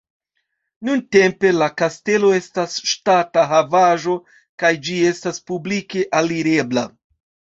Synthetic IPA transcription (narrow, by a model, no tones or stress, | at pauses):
nunte̞mpe̞lakaste̞lo̞e̞stasʃtataɦavaʒo̞ | kajd͡ʒie̞staspublike̞ʔaliɾe̞bla